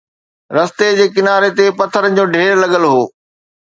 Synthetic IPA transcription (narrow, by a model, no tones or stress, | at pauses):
ɾɐst̪ed͡ʑeːkɪnaːɾet̪epɐt̪ʰəɾə̆d͡ʑoːɖʱeːɾlɐɠəlɦoː